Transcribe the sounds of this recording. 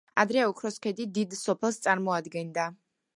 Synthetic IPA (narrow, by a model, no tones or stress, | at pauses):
ad̪ɾɛukʰɾɔskʰɛd̪id̪id̪sɔpʰɛlˠst̪sʼaɾmɔad̪ɡɛnd̪a